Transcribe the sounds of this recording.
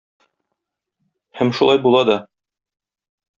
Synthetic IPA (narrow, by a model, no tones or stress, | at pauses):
hæmʃulˠɑjbulˠɑd̪ɒ